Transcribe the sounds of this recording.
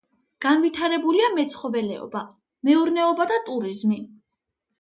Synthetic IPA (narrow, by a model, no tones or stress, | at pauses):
ɡ̥anvit̪ʰaɾɛbuliamɛt̪sʰχɔvɛlɛ̰ɔ̰ba | mɛuɾnɛɔbad̪at̪ʼuɾizmi